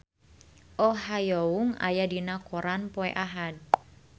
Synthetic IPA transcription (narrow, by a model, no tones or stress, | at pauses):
ʔɔɦajouŋa̰jadinakɔɾanpɔɛ̰ʔaɦad̚